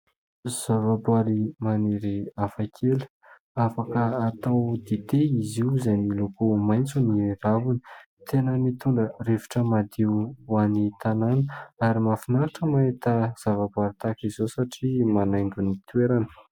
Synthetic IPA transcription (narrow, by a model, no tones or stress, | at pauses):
z̥avabwaɾimaneɾiafakʰelu̥ | afakəat̪awd̪et̪eiziuzajnilokomajnt͡suniravuni̥ | t̪enəmit̪uɳɖ͡ʐərevi̥ʈ͡ʂəmad̪iwanit̪ananəaɾimafinaɾaʈ͡ʂəmaet̪az̥avabwaɾit̪akizosaʈ͡ʂimanajŋɡʲunit̪ueɾanə̥